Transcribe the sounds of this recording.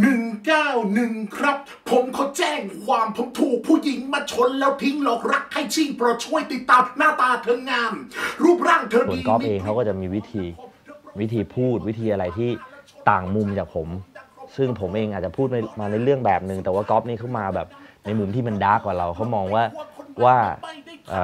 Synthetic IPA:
nɯ˨˩ŋkaː˥˩wnɯ˨˩ŋkʰɾa˦˥p̚ʰːo˨˩˦mkʰɔ˧˦˥t͡ɕɛː˥˩ŋkʰwaː˧mpʰo˨˦mt̪ʰuː˨˩k̚pʰuː˥˩ji˨˩˦ŋmaː˧˩t͡ɕʰo˦˥nlɛː˦˥wt̪ʰi˦˥ŋlɔː˨˩k̚ɾa˦˥kʰːa˥˩jt͡ɕʰi˧˩ŋpɾɔ˧˩t͡ɕʰu˧˥˩əjt̪i˨˩t̪ːaː˧mpʰa˧˦naː˥˩t̪aː˧t̪ʰɤː˧ŋːaː˧mɾuː˥˩p̚ɾaː˥˩ŋt̪ʰɤː˧˨˩n˧kɔː˦˥p̚ʔeː˧ŋkʰa˦˥wkɔː˥˩a˨˩ʔmiː˧wi˦˥t̪ʰiː˧ | wi˦˥t̪ʰiː˧pʰuː˥˩t̪̚wi˦˥t̪ʰiː˧ʔa˧ɾa˧jt̪ʰiː˥˩t̪aː˨˩ŋmu˧mt͡ɕaː˨˩k̚pʰo˩˦msɯ˥˩ŋpʰo˩˦mʔeː˧ŋʔaː˨˩t͡ɕa˨˩pʰuː˥˩t̪maː˧na˧jɾɯ˥˩əŋbɛː˨˩p̚nɯ˨˩ŋt̪ɛː˨˩waː˥˩kɔː˦˥p̚niː˥˩kʰa˦˥wmaː˧bɛ̰ː˨˩p̚na˧jmu˧mt̪ʰiː˥˩ma˧ndaː˦˥˩kwaː˨˩ɾa˧wkʰa˦˥wmɔː˧ŋwaː˥˩waː˥˩ʔə̰ː˨˩

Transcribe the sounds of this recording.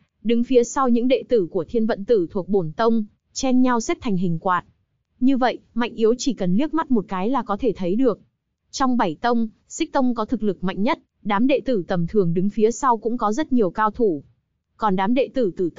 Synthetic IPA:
ɗɨ˨˦ŋfi˨˦əsa˧wɲɨ̰˧˥ŋɗḛ˧˨t̪ɨ˧˩ku˧˩ət̪ʰi˧ənvə̰˧˨nt̪ɨ˧˩t̪ʰu˨˩ək̚ɓo˧˩nt̪ə˧wŋ͡m | t͡ɕɛ˧nɲa˧wsɛ˦˥t̪ʰjŋ̟ɦï˨˩ŋ̟kwaː˨˩t̚ | ɲɨ˧və̰˧˨jma̰˧˨jŋ̟ʔi˨˦ə˦wt͡ɕi˧˩kə˨˩nli˦˥ək̚ma˦˥t̚mo˨˩t̚kaː˨˦jlaː˨˩kɔ˨˦t̪ʰe˧˩t̪ʰə˨˦jɗɨ˨˩ək̚ | t͡ɕɔ˧wŋ͡mɓa˧˩jt̪ə˧wŋ͡m | sï˦˥k̚t̪ə˧wŋ͡mkɔ˨˦t̪ʰɨ˨˩k̚lɨ˨˩k̚ma̰˧˨jŋ̟ɲə˦˥t̚ | ɗaː˨˦mɗḛ˧˨t̪ɨ˧˩t̪ə˨˩mt̪ʰɨ˨˩əŋɗɨ˨˦ŋfi˨˦əsa˧wkʊ̰˧˥ŋ͡mkɔ˨˦zə˦˥t̚ɲi˨˩əwkaː˧wt̪ʰu˧˩ | kɔ˨˩nɗaː˨˦mɗḛ˧˨t̪ɨ˧˩t̪ɨ˧˩

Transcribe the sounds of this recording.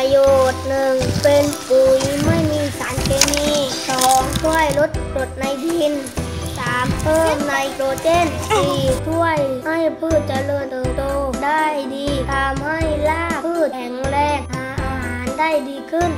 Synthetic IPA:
a˧joː˨˩t̪̚nɯ˨˩ŋpe˧npɯ˨˩jma˥˩jmiː˧˩saː˩˦nkʰeː˧miː˧sɔː˨˩˦ŋt̪ʰu˧˥˩əjlo˦˥t̪̚lo˧˩t̪̚na˧jd̪iː˧˩˧nsaː˨˩˦mpʰɤː˥˩mna˧jkɾoː˧t͡ɕe˦˥˨nsiː˨˧˨t̪ʰu˧˥˩əjha˥˩jpʰɯː˥˩t̪̚t͡ɕa˧lɤ˧nt̪ʰɤː˨˧˩t̪oː˧˩da˥˩jdiː˧t̪ʰa˧mha˥˩jlaː˥˩pʰɯː˥˩t̪̚kʰɛ˨˦ŋɾɛː˧ŋ̚haː˨˧˩ʔa˧˩haː˩˦nda˥˩jdiː˧kʰɯ˧˥˩n

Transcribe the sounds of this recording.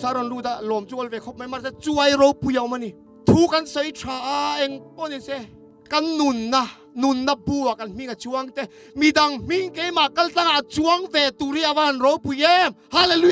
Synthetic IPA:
sa˦ɾɔ˧˨nlu˧˨t̪a˧˨ʔlɔ˨mt͡su˦ɔ˧lvɛ˨kʰɔ˦˥p̚ma˦jma˦˥sɛ˦˧t͡su˦ɐ˦jɾɔ˧˦wpu˨ja˨wma˧˨ni˨ | t̪ʰu˦kɐ˧˦nsɔ˧˦jtʰɾaː˨˩ʔa˧ɛ˧˨ŋpɔ˦˨ni˨sɛ˦˧˨ | kɐ˦nːu˨nːa˧ | nu˨nːa˧bu˧˨wa˨kɐ˧˦nm̥i˧˨ŋa˨t͡su˧a˧ŋt̪ɛ˧˨ | mi˨da˨ŋm̥i˥˨ŋke˦jma˨ka˦lt͡ɬa˥˨ŋa˨ʔt͡su˦ɐ˦ŋvɛ˨t̪u˨ɾi˦ʔa˧va˦˨nrɔ˨˦wpu˨jɛ˦mha˧˦le˧lu˦j

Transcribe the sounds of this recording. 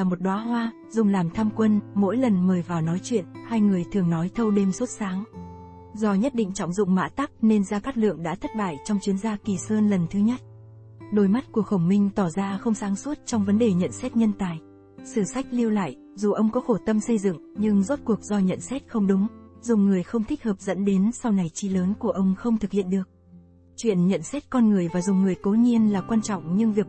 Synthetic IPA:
aː˨˩mo˨˩t̚ɗwaː˨˦ɦwaː˧ | zʊ˨˩ŋ͡mlaː˨˩mt̪ʰaː˧mkwə˧nmo̰˧˥jlə˨˩nməː˨˩jvaː˨˩wnɔ˨˦jt͡ɕwḭ˧˨ənhaː˧jŋɨ˨˩əjt̪ʰɨ˨˩əŋnɔ˨˦jt̪ʰə˧wɗe˧msu˦˥t̚saː˨˦ŋ | zɔ˧ɲə˦˥t̚ɗḭ̈˧˨ŋ̟t͡ɕɔ̰˧˩wŋ͡mzʊ̰˧˨ŋ͡mma̰ː˧˥t̪a˦˥p̚ne˧nzaː˧kaː˦˥k̚lɨ̰˧˨əŋɗa̰ː˧˥t̪ʰə˦˥t̚ɓa̰ː˧˨jt͡ɕɔ˧wŋ͡mt͡ɕwi˨˦ənzaː˧ki˨˩səː˧nlə˨˩nt̪ʰɨ˨˦ɲə˦˥t̚ | ɗo˨˩jma˦˥t̚ku˧˩ək̚xə˧˩wŋ͡mmï˧ŋ̟t̪ɔ˧˩zaː˧xə˧wŋ͡msaː˨˦ŋswu˦˥t̚t͡ɕɔ˧wŋ͡mvə˨˦nɗe˨˩ɲə̰˧˨nsɛ˦˥t̚ɲə˧nt̪aː˨˩j | sɨ˧˩sa˦˥jk̟̚li˧əwla̰ː˧˨j | zu˨˩ʔə˧wŋ͡mkɔ˨˦xo˧˩t̪ə˧msə˧jzɨ̰˧˨ŋɲɨ˧ŋzo˦˥t̚ku˨˩ək̚zɔ˧ɲə̰˧˨nsɛ˦˥t̚xə˧wŋ͡mɗʊ˨˦ŋ͡mzʊ˨˩ŋ͡mŋɨ˨˩əjxə˧wŋ͡mt̪ʰï˦˥k̚həː˨˩p̚zə̰˧˥nɗe˨˦nsa˧wna˨˩jt͡ɕi˧˩ləː˨˦nku˧˩əʔə˧wŋ͡mxə˧wŋ͡mt̪ʰɨ˨˩k̚hḭ˧˨ənɗɨ˨˩ək̚ | t͡ɕwḭ˧˨ənɲə̰˧˨nsɛ˦˥t̚kɔ˧nŋɨ˨˩əjvaː˨˩zʊ˨˩ŋ͡mŋɨ˨˩əjko˨˦ɲi˧ənlaː˨˩kwaː˧nt͡ɕɔ̰˧˨wŋ͡mɲɨ˧ŋvi˨˩ək̚

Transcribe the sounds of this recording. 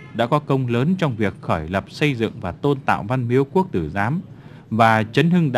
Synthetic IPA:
ɗa̰ː˧˥kɔ˨˦kə˧wŋ͡mləː˨˦nt͡ɕɔ˧wŋ͡mvi˨˩ək̚xɔː˧˩jlə˨˩p̚sə˧jzɨ̰˧˨ŋvaː˨˩t̪o˧nt̪a̰ː˧˨wva˧nmi˨˦əwku˦˥ək̚t̪ɨ˧˩zaː˨˦m | vaː˨˩t͡ɕə˨˦nhɨ˧ŋɗ

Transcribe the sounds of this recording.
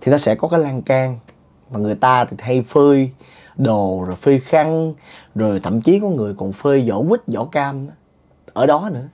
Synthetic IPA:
t̪ʰi˨˩nɔ˨˦sɛ̰˧˥kɔ˨˦kaː˨˦jlaː˧ŋkaː˧ŋ | maː˨˩ŋɨ˨˩əjt̪aː˧t̪ʰi˨˩t̪ʰa˧jfɨː˧j | ɗo˨˩zo˨˩jfɨ˧jxa˧ŋzo˨˩jt̪ʰə̰˧˨mt͡ɕi˨˦kɔ˨˦ŋɨ˨˩əjkɔ˨˩nfəː˧jzɔ̰˧˥kwi˦˥t̚zɔ̰˧˥kaː˧m˨˦ | ʔəː˧˩ɗɔ˨˦nɨ̰˧˥ə

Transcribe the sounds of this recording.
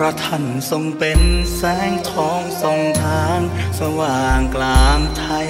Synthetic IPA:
ɾa˧t̪ʰa˧˩nso˧ŋpe˧nsɛː˦˥˩ŋt̪ʰɔː˧˥ŋso˨˩ŋt̪ʰaː˧˥nsa˧waː˨˩ŋklaː˧ŋt̪ʰa˧˦˥

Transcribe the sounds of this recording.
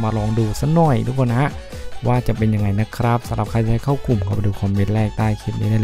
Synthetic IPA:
maː˧ɾɔː˧ŋduː˧sa˧˥nɔ˨˩jduː˧˦˥kʰo˧na˧˦ha˦˥ʔ | waː˥˩t͡ɕa˨˩pe˧nja˧ŋːa˧jna˦˥kʰɾa˦˥p̚sa˨˦mɾa˨˩p̚kʰa˧jt͡ɕa˧ha˥˩jkʰaː˥˩wku˨˩mkʰa˥˩pa˧jduː˧kʰɔ˧mːe˦˥n̚ɾɛː˥˩k̚t̪aː˥˩jkʰe˦˥t̪̚niː˦˥daː˧˥˩

